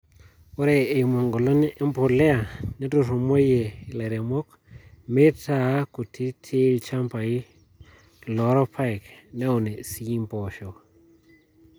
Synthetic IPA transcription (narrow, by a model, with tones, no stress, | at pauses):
o˦ɾeː˨mo˨ŋɡo˨lo˦n˦e˦mpo˨lɛ˦a˨ne˦tu˨ɾo˨mo˦je˨la˨ɾe˨mo˦k | me˦ta˨˦ku˨ti˦tʰe˦lt͡ʃa˦mpa˨i˦ | lɔ˨˦ɾɔ˦pʰa˦˨knɛ˦o˨ne˨si˦i˦mpɔ˨ʃo˨